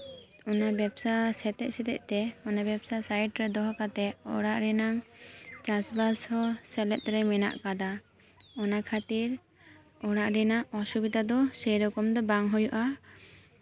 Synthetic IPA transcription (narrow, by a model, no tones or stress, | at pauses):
ɔnabɛbsasɛt̪ɛʔsɛt̪ɛ̰ʔt̪ɛɔnabɛbsasajʈɾɛd̪ɔɦɔkat̪ɛʔɔɽaʔɾɛnaŋt͡ʃasbalshɔsɛlɛt̪̚ɾɛmɛna̰ʔkad̪a | ɔnakʰat̪iɾ | ɔɽaʔɾɛnaʔɔsubid̪ad̪ɔsɛjɾɔkɔmd̪ɔbaŋɦujuʔa